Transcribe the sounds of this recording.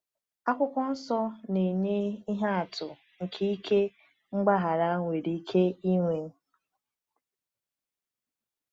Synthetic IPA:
a˦kʷʊ˦kʷʊ˦n̩˦sɔ˦ne˨i˨ɲe˦i˦ɦa˦a˨tʰʊ˨ | ŋ̩˨kʰi˦i˦kʰe˦ | ŋ͡m̩˦ɡ͡ba˦ɦa˨ɾa˦ŋʷe˨ɾi˨i˦kʰe˦i˦ŋʷe˨ŋ̩˦

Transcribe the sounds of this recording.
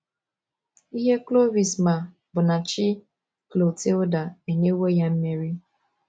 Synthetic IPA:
i˦ɦe˦klo˦vi˨sma˨ | bʊ˨na˨t͡ʃi˦ | klo˨te˦o˦da˨e˨ne˦we˦ja˦m̩˦me˦ɾi˦

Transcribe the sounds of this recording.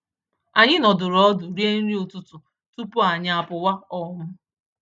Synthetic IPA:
a˨ɲɪ˦nɔ˨dʊ˨ɾɔ˦dʊ˨ɾi˦e˦n̩˦ɾi˦o˨tʊ˦tʊ˨ | tu˦pʊ˦a˨ɲɪ˨˦a˨pʊ˨wa˦ɔ˦mʊ˦

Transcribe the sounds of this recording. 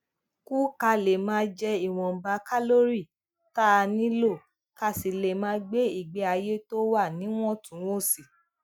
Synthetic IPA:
ku˦ka˧le˨mãː˦d͡ʒɛ˧i˨w̃ɔ̃˨m̩˨ba˧˦ka˦lo˦ɾi˦˨ | ta˦˧nĩ˦lo˦˨ | ka˧˨si˨le˨mãː˦ɡ͡be˦i˦˨ɡ͡be˨˧˦a˧je˦to˦wa˦˨nĩ˨˦w̃ɔ̃˦tũ˨˦wo˦˨si˨

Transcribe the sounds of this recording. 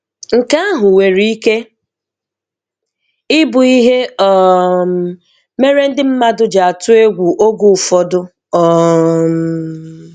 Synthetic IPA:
ŋ̩˨ka˦a˦ɦʊ˨we˨ɾi˦i˦ke˦ | ɪ˦bʊ˨i˦ɦe˦ɔ˨m̩˨ | me˦ɾe˦n̩˦dɪ˦m̩˦ma˦dʊ˦d͡ʒa˨a˨tʊ˦e˦ɡʷu˨ʔo˦ɡu˨fɔ˦dʊ˦ | ɔ˨m

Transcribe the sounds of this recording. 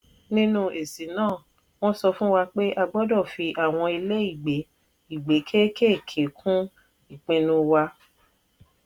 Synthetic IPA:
nĩ˦nũ˦ʔe˨si˨˦nãː˦˨ | w̃ɔ̃˦sɔ˧fũ˦wa˧k͡pe˦ʔa˧ɡ͡bɔ˦dɔ˦˨fi˧ʔa˨w̃ɔ̃˧i˧le˦i˦˨ɡ͡be˨˦ | i˦˨ɡ͡be˨˦kʰe˦ke˦˨kʰe˨˦kʰũ˦ | i˦˨k͡pĩ˨˧nũ˧wa˧

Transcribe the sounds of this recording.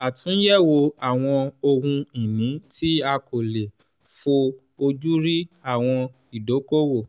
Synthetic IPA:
a˨tũ˨˦jɛ˦˨wo˧a˦˨w̃ɔ̃˧o˧hũ˧i˨nĩ˨˦tʰi˦a˧ko˨le˨ | fo˧ | o˧d͡ʒu˦ɾi˦a˦˨w̃ɔ̃˧ | i˨do˨˦ko˦wo˦˨

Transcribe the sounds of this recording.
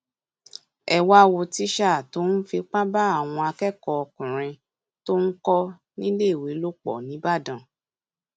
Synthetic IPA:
ɛ˨wa˧wo˧ti˦ʃa˦˨to˨˦n̩˦fi˧k͡pã˦ba˦a˦˨w̃ɔ̃˧a˧kɛ˦˨kɔ˧ɔ˧kũ˨ɾ̃ĩ˧ | to˦n̩˦kɔ˦ | nĩ˦le˦˨we˨˦lo˦k͡pɔ̰˨nĩ˨˦ba˦˨dã˨

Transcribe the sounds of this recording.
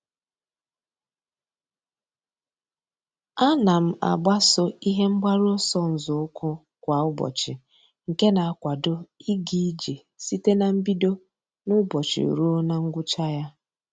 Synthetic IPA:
a˦na˨m̩˦a̰˨ɡ͡ba˦sʊ˦i˦ɦe˦ŋ͡m̩˦ɡ͡ba˦ɾo˦sɔ˦n̩˨zʊ˨ʊ˦kʰʊ˦ | kʷa˨ʊ˦bɔ̰˨t͡ʃɪ˨ | ŋ̩˨ke˦na˨a˨kʷa˨dʊ˦i˦ɡi˦d͡ʒe˨ | si˦te˦na˨m̩˦bi˦do˦ | nʊ˦bɔ˨t͡ʃɪ̰˨ɾu˦o˦na˦ŋ̩˦ɡʷʊ˦t͡ʃa˦ja˦

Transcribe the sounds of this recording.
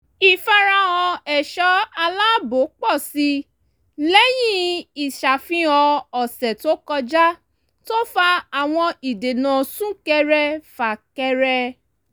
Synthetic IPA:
i˨fa˧ɾa˧ɔ̃˧ɛ˨ʃɔ˨˦a˧la˦bo˨˦k͡pɔ˦˨si˧ | lɛ˦jĩ˦i˨ʃa˨fĩ˦ɔ̃˧ɔ˨sɛ˨to˨˦kɔ˧d͡ʒa˦ | to˦fa˧a˨w̃ɔ̃˧i˨de˨nã˨sũ˦kɛ˧ɾɛ˧fa˨kɛ˧ɾɛ˧

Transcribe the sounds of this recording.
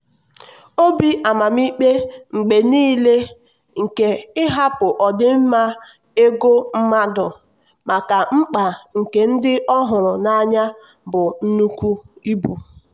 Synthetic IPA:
o˦bi˦ʔa˨ma˨m˦i˦k͡pe˦ŋ͡m̩˨ɡ͡be˨niː˦le˦ | ŋ̩˨ke˨ɪ˦ɦa˦pʊ˨ʔɔ˨dɪ˦m̩˦ma˦ | e˦ɡo˦m̩˦ma˦dʊ˨ | ma˨ka˨ŋ͡m̩˦k͡pa˨ŋ̩˨ke˨n̩˦dɪ˦ʔɔ˦ɦʊ˨ɾʊ˨na˦ɲa˦ | bʊ˨n̩˦nu˦kʷu˦i˦bu˨

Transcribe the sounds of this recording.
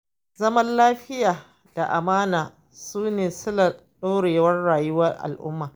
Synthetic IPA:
zɐ˦mɐ˦nlaː˦ɸɪ˦jaː˨ | d̥a˨ʔa˨maː˦naː˨ | suː˦neː˨sʊ˦la˨ | ɗoː˦ɽeː˨wɐ˦rɽaː˨jʊ˦wɐ˦rʔa̰˨lʔʊ̰˦mːaː˨

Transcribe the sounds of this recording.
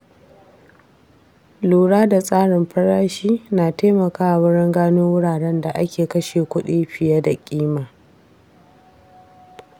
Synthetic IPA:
luː˨ɽaː˦da˨sʼaː˦ɽɪ˨mɸɐ˦ɽaː˦ʃiː˦naː˨teː˦mɐ˨kaː˦ʔa˨wʊ˦ɽɪ˦ŋɡaː˦noː˦wʊ˦ɽaː˨ɽɛ˦nda˨ʔa̰˦kʲeː˨kɐ˦ʃeː˨kʷʊ˦ɗiː˦ɸɪ˨ja˦da˨kʲʼiː˦maː˨

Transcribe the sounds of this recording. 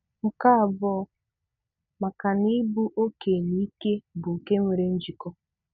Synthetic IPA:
m̩˨ka˦˨bɔ˦ | ma˨ka˨ni˦bu˦ʔo˦ke˨ni˦ke˦bʊ˨ke˦mʷe˨ɾe˦n̩˦d͡ʒi˨kɔ˦

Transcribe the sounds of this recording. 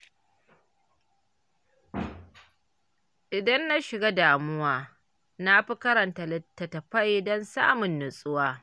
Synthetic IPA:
ʔɪ˨dɐ˦nːa˦ʃɪ˨ɡa˦daː˨mʊ˦waː˦ | na˦ɸi˦kɐ˦ɾɐ˨nta˨lɪ˨tːɐ˨tɐ˨ɸa˦jdɔ˦nsa̰ː˦mʊ˨nːʊ˨sʼʊ˦waː˦

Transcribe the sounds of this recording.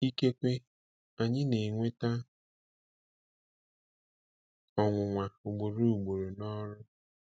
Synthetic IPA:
i˦ke˦kʷe˦ | a˨ɲɪ˦ne˨ŋʷe˦ta˦ | ɔ˨ŋʷʊ˨ŋʷa˨u˨ɡ͡bo˨ɾo˨u˨ɡ͡bo˨ɾo˨nɔ˦ɾʊ˦

